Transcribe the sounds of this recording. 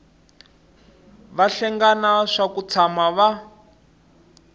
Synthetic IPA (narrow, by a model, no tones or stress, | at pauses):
βaɬɛŋɡanaʂakut͡sʰamaβa